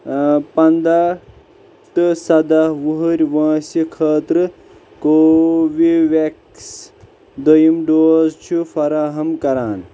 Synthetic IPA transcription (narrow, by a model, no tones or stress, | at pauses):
pɐnd̪a | t̪ɨsɐd̪aʋuɦuɾʲʋɐ̃ːsikʰəːt̪ɾɨ | koːʋiʋek | s | d̪ɐjimɖoːzt͡ʃʰufɐɾaːɦɐmkɐɾaːn